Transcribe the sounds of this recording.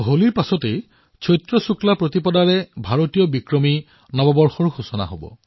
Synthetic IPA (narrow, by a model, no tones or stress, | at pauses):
ɦoliɹpasɔtej | t͡ʃʰɔjtɹɔsuklapɹotipɔdaɹɛbʱaɹotijɔbikɹɔmi | nɔbɔbɔɹxɔɹxusɔna̰ɦobɔ̰